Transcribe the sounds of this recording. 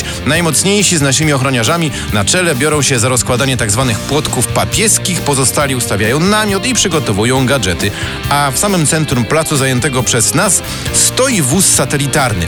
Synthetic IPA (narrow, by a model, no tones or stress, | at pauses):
najmɔt̪sɲejʂiznaʂɘmʲiɔxɾɔɲaʐamʲi | nat͡ʂɛlɛbʲjɔɾɔ̃w̃ɕɛzaɾɔskwad̪aɲɛt̪aɡzvanɘxpwɔt̪kufpapʲjɛskʲixpɔzɔst̪alʲiust̪avʲjajɔ̃w̃namʲjɔt̪ipʂɘɡɔt̪ɔvujɔ̃w̃ɡad͡ʐɛt̪ɘ | afsamɘmt̪sɛnt̪ɾumplat̪suzajɛnt̪ɛɡɔpʂɛznasː | t̪ɔjivusːat̪ɛlʲit̪aɾnɘ̰